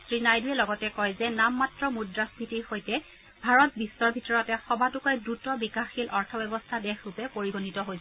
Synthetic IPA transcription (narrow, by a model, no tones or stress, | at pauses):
sɹinajduɛlɔɡɔtɛkɔjzɛnamːatɹɔmudɹaspʰitiɹxojtɛ | bʱaɹɔt̚bisːɔɹbʱitɔɹɔtɛxɔbʱatukɔjdɹutɔbikaxilʔɔɹtʰɔbɛbɔstʰadɛxɹupɛpoɹibʱonitɔɦojsɛ